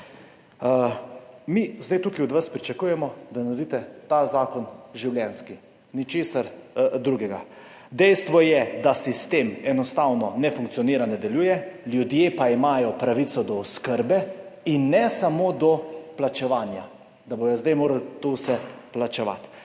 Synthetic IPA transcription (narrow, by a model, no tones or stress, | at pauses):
mizd̪ajt̪ukiɔd̪ʋaspɾit͡ʃakujɛmɔd̪anaɾd̪it̪ɛt̪azaːkɔnʒiwljɛnski | nit͡ʃeːsaɾd̪ɾuɡɛɡa̰ | d̪ɛjst̪ʋɔjɛd̪asist̪eːmɛnɔst̪aːwnɔnɛfuŋk̚t̪sijɔniːɾanɛd̪ɛljuːjɛljud̪jepaimaːjɔpɾaʋit̪sɔd̪ɔɔskəɾbɛinːɛsamoːd̪ɔplat͡ʃɛʋaːnja | d̪abojɔzd̪ajmoːɾalt̪owsɛplat͡ʃɛʋa̰t̪